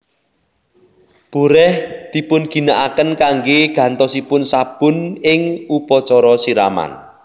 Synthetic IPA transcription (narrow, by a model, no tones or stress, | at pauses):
b̥ṳɾɛhd̪̥i̤pʊnɡ̥i̤naʔakənkaŋɡeɡ̥ä̤nt̪ɔsipʊnsab̥ʊ̤nɪŋupɔt͡ʃɔɾɔsiɾa̰ma̰n